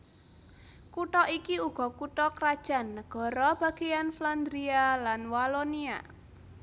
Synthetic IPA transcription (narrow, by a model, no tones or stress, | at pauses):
kuʈɔʔikiuɡ̥ɔ̤kuʈɔkɾad̥ʒ̥a̤nːəɡ̥ɔ̤ɾɔb̥a̤ɡ̥ejanfland̪ɾialanwalonia̰